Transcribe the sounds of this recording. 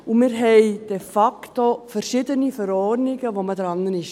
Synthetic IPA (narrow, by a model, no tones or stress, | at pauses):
ʊmɪːɾɦɛɪd̥ɛfaktofɛɾʃɪdənifəɾɔɾnɪɡəʋomədɾɑnːənɪʃ